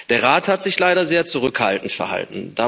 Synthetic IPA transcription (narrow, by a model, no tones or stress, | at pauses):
d̥eːɐʁaːthatz̥ɪçlaɪɾɐzeːɐt͡suʁ̞ʏkha̰ltn̩tfɛɐha̰ltn̩d̥aː